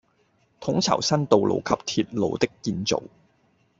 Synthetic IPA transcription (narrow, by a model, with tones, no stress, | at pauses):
t̪ʰʊ˨˥ŋt͡sʰɐ̰˨˩wsɐ˥nt̪o˨wlʔo̰˨wkʰɐ˨p̚t̪ʰi˧t̚lo̰˨˧wt̪ɪ˥kːiː˧nt͡so̰˨w